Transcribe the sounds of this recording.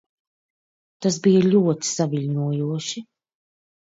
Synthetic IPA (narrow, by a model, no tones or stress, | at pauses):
t̪asbijɐʎʲuɔt̪i̥saviʎʲnuɔjuɔʃi